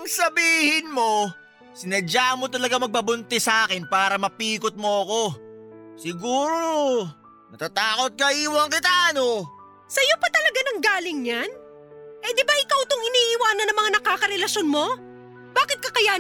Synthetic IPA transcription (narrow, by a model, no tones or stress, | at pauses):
ɐŋsɐbiːhɪnmo̞ | sɪnɐd͡ʒamo̞t̪ɐlɐɡamɐɡ̚pɐbʊnt̪ɛsɐʔaːkɪnpaːɾɐmɐpiːkot̪̚moɐko̞ | sɪɡuːɾo | nɐt̪at̪aːkot̪̚kɐʔiːwɐŋkɪt̪aʔɐno | sɐjopɐt̪ɐlɐɡanɐŋɡaːlɪŋɲan | ʔɛd̪ɪbaʔɪkawt̪oŋɪniːʔɪwaːnɐnːɐŋmɐŋanɐkaːkɐɾɛlɐʃjonmo̞ | b̥aːkɪt̪̚kɐkɐja